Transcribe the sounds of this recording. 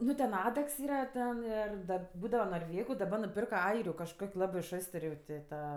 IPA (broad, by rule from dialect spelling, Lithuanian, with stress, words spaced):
ˈnʊ tʲɛn ˈɑːdɐks ˈiːrɐ ˈtʲɛn ˈɪr ˈdɐ ˈbuːdɐʋɐ noːrʲˈʋʲeːɡʊ dɐˈbɐ nʊˈpʲɪrkɐ ˈɐɪrʲʊ kɐʃˈkoːkʲ ˈlˠɑːbɜ ˈʃoːstərʲ jɛʊ tʲɪ ˈtɐ